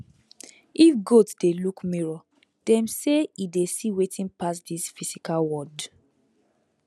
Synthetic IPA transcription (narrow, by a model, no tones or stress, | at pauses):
ifɡotsd̥elukmiɹɔ | d̥ɛ̃mseidesiwetĩnpas̬disfisikalwɔd